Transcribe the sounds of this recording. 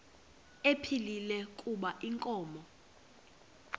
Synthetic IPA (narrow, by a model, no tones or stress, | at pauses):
epʰililɛkʼuɓaʔiŋkʼɔːmɔ